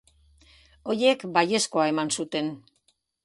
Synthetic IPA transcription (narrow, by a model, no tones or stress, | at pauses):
o̞je̞kbaje̞sko̞ae̞mansut̪e̞n